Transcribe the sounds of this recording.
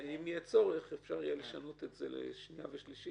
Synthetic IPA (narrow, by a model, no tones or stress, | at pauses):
imijet͡so̞ʁeχefʃaʁijeleʃano̞t̪etzḛlḛʃnija̰veʃliʃi